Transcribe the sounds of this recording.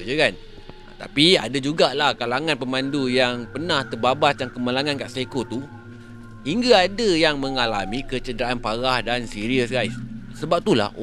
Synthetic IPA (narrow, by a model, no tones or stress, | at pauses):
d͡ʒəkan | t̪a̰pia̰dad͡ʒuɡalahkalaŋanpəmãndujaŋpənãht̪ərbabasdjaŋkəmalaŋankaʔsekot̪u | hiŋɡaadajaŋmə̃ŋala̰mĩkət͡ʃədəɾaʔanpaɾahdansiɾiəsɡajssəbap̚t̪ula̰